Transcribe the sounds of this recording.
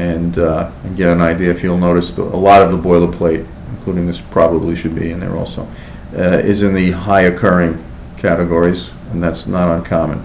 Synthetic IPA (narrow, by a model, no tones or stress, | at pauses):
ɨ̃nɨ̃nɡɛɾɨ̃naɪdiɨɨfjul̩ˠnoʊɾɨsðə̰ə̰lɔɾʌvðəbɔɪlˠəpʰl̥eɪɾ | ɨ̃nkʰl̥uɾɪ̃ŋðɪspʰɹ̥ɑbəbliʃɨd̚bḭɨ̃nðə̰˞ɔ̰lˠsoʊ | ɪ̰zɨ̃nðɨɦaɪɨkʰɜ˞ɪ̃ŋ | kʰæɾɨɡɔɹiz | ɨ̃nðætsnəɾə̃nkʰɑmɨ̰̃n